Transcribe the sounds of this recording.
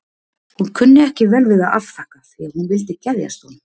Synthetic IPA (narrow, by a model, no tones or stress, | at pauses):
hunkʰʏnːɪɛhcɪvɛːlvɪːðaʔalfahkaθɪaɾhunvɪlt̪ɪcɛðja̰st̪ɔn